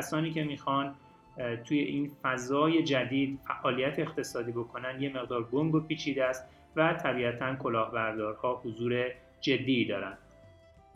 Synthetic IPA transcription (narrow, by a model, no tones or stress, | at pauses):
æsɒːniːcʰe̞miːxɒːn | t̪ʰuːje̞ʔiːnfæzɒːje̞d͡ʒæd̪iːd̪fæʔɒːlijæt̪ʰeːχt̪ʰe̞sɒːd̪iːbo̞kʰo̞nænd̪je̞me̞ɣd̪ɒːɾɡoŋɡopʰiːt͡ʃʰiːd̪eæst̪ | væt̪ʰæbiːæt̪ʰænkʰo̞lɒːhbæɾd̪ɒːɾhɒːhozuːɾe̞ | d͡ʒe̞d̪ːiːd̪ɒːɾænd̪̥